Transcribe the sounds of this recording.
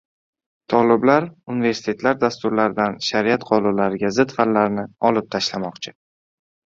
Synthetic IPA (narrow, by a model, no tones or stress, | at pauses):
t̪ʰɒlɪblaɾunɪve̞ɾsɪ̥t̪ʰe̞t̪ʰlaɾd̪ast̪ʊɾlaɾɪd̪anʃaɾiat̪qʰɒlˠɒlaɾɪɡʲazɪt̪fallaɾnɪɒlˠɪp̚t̪ʰaʃlamɒqt͡ʃʰɪ̥